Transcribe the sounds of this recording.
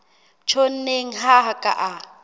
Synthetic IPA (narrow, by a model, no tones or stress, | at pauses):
t͡ʃʰon̩neŋ̩ɦaɦakʼa̰ʔa